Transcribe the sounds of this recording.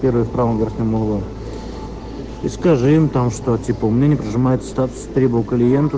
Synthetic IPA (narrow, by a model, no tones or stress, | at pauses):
eɾvəjʊfpɾavəmvʲeɾxnʲəməlˠvo | iskɐʐɨɪmt̪amʂt̪otʲipəʊmnʲenʲɪəpɾʲɪʐɨmajɪt̪sə̥st̪at̪ʊ̥sʲt̪ɾʲebəvəlklʲɪjent̪ə